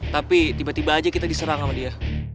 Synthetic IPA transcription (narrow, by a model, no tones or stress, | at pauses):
t̪apit̪ibat̪ibaːd͡ʒakit̪adisəɾaŋamadia